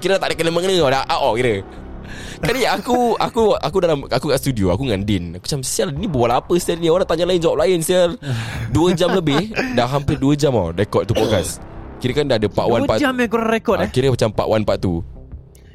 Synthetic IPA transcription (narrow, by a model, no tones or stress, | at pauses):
kiɾəat̪aʔdəkənəməŋənəadaʔaʔɔkiɾə | kaɾiakuakuwʔʔakudalamakukaʔst̪udioakuŋandɪnaku̥t͡ʃamsialinibawalapəst̪aɾinioɾaŋt̪aɲalaɪnd͡ʒawap̚laɪnsialduəd͡ʒamləbɪhdaɦampɪrduəd͡ʒama̰daikɔtt̪upɔkaskiɾəkandadəpa̰ʔwanpamakuɾaŋɾekɔkiɾəpət͡ʃampa̰ʔwanpaʔt̪u